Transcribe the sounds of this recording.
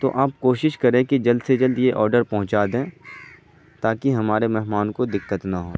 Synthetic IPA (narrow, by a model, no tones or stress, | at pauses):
t̪o̰ʔaːpkoːʃɪʃkɐɾẽːkid͡ʒɐld̪sed͡ʒɐld̪jeʔɔːɾɖəɾpɐɦʊ̃t͡ʃaːd̪ẽː | t̪aːkiɦɐmaːɾemɛɦmaːnkod̪ɪkːət̪nɐɦo̰ː